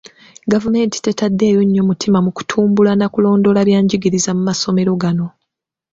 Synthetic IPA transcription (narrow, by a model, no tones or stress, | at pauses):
ɡavume̞ːnti̥te̞tadːe̞ːjo̞ɲːo̞mutʰimamuku̥tʰuːmbulanakulo̞ːndo̞laljaːɲɟiɡiɾizamumasome̞ɾo̞ɡano̞